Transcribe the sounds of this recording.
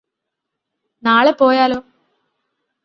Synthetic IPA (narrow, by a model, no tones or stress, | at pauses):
naːɭepo̞ːjaːlo̞ː